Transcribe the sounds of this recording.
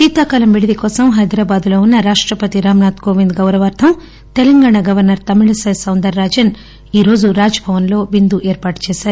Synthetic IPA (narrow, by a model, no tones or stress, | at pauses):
t̪iːt̪aːkɐlɐmʋiɽid̪ikɔːsɐmɦɐjd̪ɾaːbaːd̪ulo̞ːunːɐɾaːʂʈɾɐpɐt̪iɾaːmɐnaːt̪koːʋind̪ɡɐwɾɐʋɐɾt̪ʰɐm | t̪ɛlɐŋɡaːɳaɡɐʋɐɾnɐɾt̪ɐmiɭɐsɐjsɐwnd̪ɐɾːaːd͡ʒɐn | iːɾo̞ːd͡ʒuɾaːd͡ʒɐbʱɐʋɐnlo̞ːʋind̪uʔɛːɾpaːʈt͡ʃɛːsaːɾu